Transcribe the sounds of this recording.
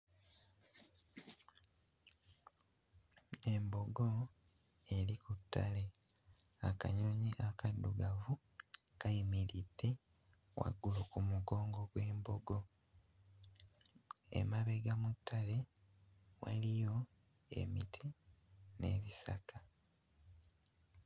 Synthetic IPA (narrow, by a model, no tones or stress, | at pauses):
e̞mbo̞ɡo̞ | e̞likutʰːa̰le̞ | aka̰ɲoɲiʔakadːuɡavu | kaimiɾid̥ːe̞ | wa̰ɡulukumuɡo̞ːŋɡoɡwe̞ːmbo̞ɡo̞ | ḛmaβe̞ɡamutʰːale̞ | wa̰lijo̞ | e̞̰mitʰi | ne̞̰βisa̰kʰa